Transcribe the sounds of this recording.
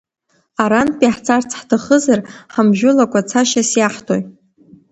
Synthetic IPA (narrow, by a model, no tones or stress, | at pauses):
aɾanpʼiħt͡sʰart͡sʰħtʰaχəzarħamʒᶣʊlakʷʼat͡sʰaʃasjaħtʰʼoj